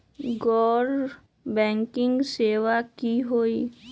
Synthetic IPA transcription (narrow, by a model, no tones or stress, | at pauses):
ɡɔːɾ | bɛ̃ːŋkɪ̃ŋɡseːʋakiɦoːiː